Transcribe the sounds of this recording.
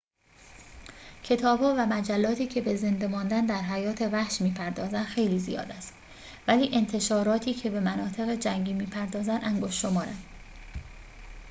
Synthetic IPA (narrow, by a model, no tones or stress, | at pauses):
cʰe̞t̪ʰɒːbhɒːvæmæd͡ʒælːɒːt̪ʰiːcʰe̞beze̞nd̪emɒːnd̪ænd̪æɾɦæjɒːt̪ʰe̞væhʃmiːpʰæɾd̪ɒːzænd̪xe̞jliːzḭjɒ̰ːd̪æst̪ | væliːʔe̞nt̪ʰe̞ʃɒːɾɒːt̪ʰiːcʰe̞be̞mænɒːt̪ʰe̞ɣed͡ʒæŋɟiːmiːpʰæɾd̪ɒːzænʔæŋɡoʃʃomɒːɾænd̪̥